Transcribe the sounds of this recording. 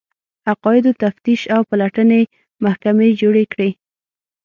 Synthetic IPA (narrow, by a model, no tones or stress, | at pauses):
aqɑjɪd̪ot̪aft̪iʃawpalaʈəne | mahkamed͡ʒoɽekɽe